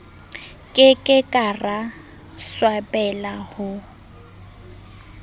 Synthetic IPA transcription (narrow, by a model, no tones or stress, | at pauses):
kʼɪkʼɪkʼara | swapʼɛlahʊ